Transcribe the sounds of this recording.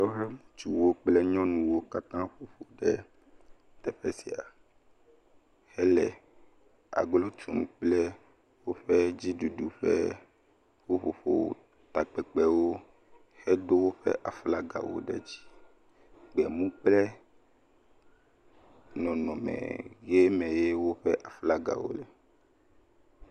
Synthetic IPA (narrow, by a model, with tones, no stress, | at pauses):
lɔ˦ɦɛ˦mũ˦t͡ʃu˨wo˦k͡plɛ˦ɲɔ̃˦nũ˨wo˦ka˦t̪ã˦ɸo˦ɸo˨ɖɛ˦ | t̪ɛ˨ɸɛ˦si˨a̰˨ | hɛ˦lɛ˨ | a̰˨ɡlo˦t̪u˨mk͡plɛ˦ | wo˦ɸɛ˦d͡ʑi˦ɖu˨ɖu˨ɸɛ̰˦ | wo˦ɸo˨ɸo̰˨ | t̪a˨k͡pɛ˨k͡pɛ˦wo˦ | hɛ˦d̪o˦wo˦ɸɛ̰˦ʔa˨fla˦ɡa̰˨wo̰˦ɖɛ̰˦d͡ʑi̥˦ | ɡ͡bɛ˨mũ˦k͡plɛ˦ | nɔ̃˨nɔ̃˨mɛ̰̃˨ɣe˦mɛ̃˨je˦wo˦ɸɛ˦ʔa˨fla˦ɡa̰˨wo̰˦lɛ˨